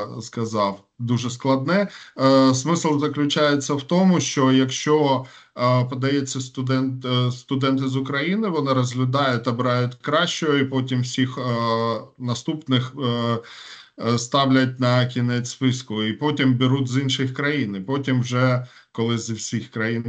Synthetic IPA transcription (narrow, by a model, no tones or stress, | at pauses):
skɐzɑw | d̪uʒɛsklˠɐd̪̚nɛ | smɪslˠzɐklʲʊt͡ʃajet͡sʲːɐwt̪ɔmʊʃt͡ʃɔjɐkʃt͡ʃɔ | pɐd̪ɐjɛt͡sʲːɐst̪ʊd̪ɛnt̪st̪ʊd̪ɛnt̪ɪzʊkɾɐjinɪʋɔnɪɾɐzʲɦlʲʊd̪ɑjʊt̚ʲt̪ɐbɪɾɑjʊtʲkɾɑʃt͡ʃɔjɔipɔtʲimwsʲix | nɐst̪upnɪx | st̪ɑwlʲɐt̚ʲnɐkʲinɛt͡sʲspɪskʊipɔtʲimbʲɪɾutʲzinʃɪxkɾɐjinipɔtʲimwʒɛ | kɔlˠɪzwsʲixkɾɐjin